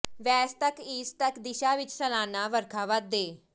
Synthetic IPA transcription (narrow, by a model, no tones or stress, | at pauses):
ʋɛːst̪əkiːst̪əkd̪ɪʃaːʋɪt͡ʃsəlaːnaːʋəɾkʰaːʋəd̪eː